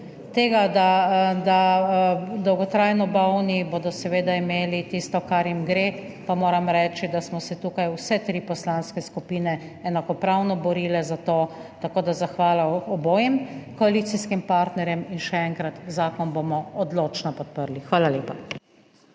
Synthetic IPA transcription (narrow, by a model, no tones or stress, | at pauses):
t̪eːɡad̪ad̪a | d̪ɔwɡɔt̪ɾajnɔbawniboːd̪ɔsɛʋeːd̪aimeːlit̪ist̪ɔkaɾjimɡɾe | pamoːɾɐmɾɛːt͡ʃid̪asmɔsɛt̪uːkajusɛt̪ɾiːpɔslanskɛskupiːnɛː | nakɔpɾawnɔbɔɾiːlɛzat̪oːt̪akoːd̪azaxʋaːlaɔboːjɛmkɔaliːt̪siskimpaɾt̪nɛɾjɛminʃɛɛŋkɾat̪zaːkɔnbomɔɔd̪loːt͡ʃnɔpɔt̪̚pəɾlixʋaːlaleːpa